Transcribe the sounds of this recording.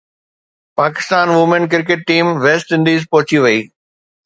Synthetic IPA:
paːkɪ̥st̪aːnʋʊmẽnk̬ɪɾk̬eʈ̚ːiːmʋeːsʈɪ̃nd̪iːzpɔɦʊt͡ɕiʋɐiː

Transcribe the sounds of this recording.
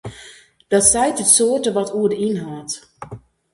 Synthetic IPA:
d̥ɔtsɛjtətsoːtəʋɔtʰuədəinɦaːt

